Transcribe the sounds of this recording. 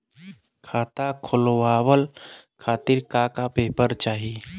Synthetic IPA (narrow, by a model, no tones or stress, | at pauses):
kʰaːt̪akʰʊlowaːwəlkʰaːt̪ɪɾkakapeːpəɾt͡ʃaːɦi